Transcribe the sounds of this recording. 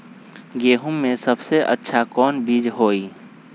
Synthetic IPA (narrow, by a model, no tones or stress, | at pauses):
ɡeːɦʊmːẽsɐbseʔə̰tːʃʰakɔːnbiːd͡ʒɦoːi